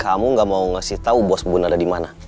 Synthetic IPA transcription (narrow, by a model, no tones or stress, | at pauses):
kamuŋɡamauŋasiht̪aubɔsbunadadimana